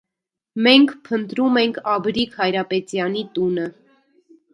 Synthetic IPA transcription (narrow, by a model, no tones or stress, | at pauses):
mɛŋkʰpʰənt̪ɾumɛŋkʰɑbɾikʰhɑjɾɑpɛt͡sjɑnit̪unə